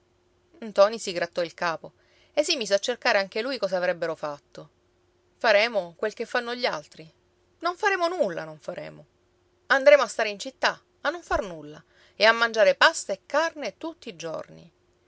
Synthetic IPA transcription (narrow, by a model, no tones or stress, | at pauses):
nt̪ɔːnisiɡɾat̪ːɔilkaːpo | es̬ːimiːseat͡ʃːerkaːɾeaŋk̟elujkɔːzaːvɾɛbːeɾofat̪ːo | faɾɛːmokwelkefːanːoʎːalt̪ɾi | noɱfaɾɛːmonulːa̰noɱfaɾʔɛ̰ːmo | and̪ɾeːmoast̪aːɾeint͡ʃit̪ːa | anːoɱfarnulːa | eamːand͡ʒaːɾepast̪aekːarnet̪ut̪ːiːd͡ʒo̰rnḭ